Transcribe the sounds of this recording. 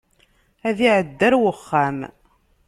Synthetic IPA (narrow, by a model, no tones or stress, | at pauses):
æðiʕəd̪ːæɾwəχːam